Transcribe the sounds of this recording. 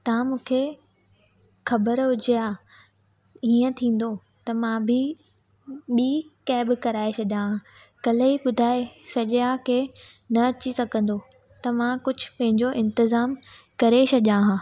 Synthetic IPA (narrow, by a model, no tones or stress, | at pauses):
t̪ɐãmũːkʰe | xɐbəɾɦʊd͡ʑijaː | iːə̃t̪ʰĩːn̆d̪o | t̪ɐmãbʱɪ | ɓiːkɛːbɪkɐɾaːesɐʄãɦãː | kɐliɓʊd̪ʱaːesɐʄjake | nɐɐt͡ɕisɐɡʱə̃n̆d̪o | t̪ɐmãkʊd͡ʑʱʊ̆pɐ̃ɦɪ̃ɲd͡ʑoʔɪ̃nt̪ɪzaːmkɐɾesɐʄãɦãː